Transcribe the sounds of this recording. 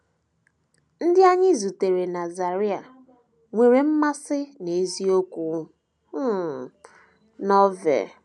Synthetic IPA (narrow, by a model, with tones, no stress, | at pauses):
n̩˦dɪ˦a˦ɲɪ˦zu˨te˨ɾe˨na˨za˨ɾi˦a̰˨ | ŋʷe˨ɾe˨m̩˦ma˦sɪ˦ne˨˦zi˦o˦kʷu˨˦ | nɔ˦vḛ˨